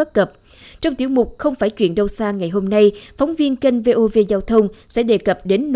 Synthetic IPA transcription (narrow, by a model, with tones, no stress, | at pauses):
t̚kə˨˩p̚ | t͡ɕɔ˧wŋ͡mt̪ḭ˧˩əwmʊ˨˩k͡p̚xə˧wŋ͡mfaː˧˩jt͡ɕwi˧˨ənɗə˧wsaː˧ŋa˨˩jɦo˧mna˧jfɔ˨˦wŋ͡mvi˧ənke˧nve˧ʔo˧ve˧zaː˧wt̪ʰə˧wŋ͡msɛ̰˧˥ɗe˨˩kə˨˩p̚ɗe˨˦nː